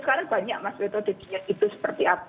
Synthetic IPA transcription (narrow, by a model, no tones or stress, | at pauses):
sə̥kaɾaŋb̥aɲak̚maswet̪od̥ad̥iait̪usə̥pərt̪iap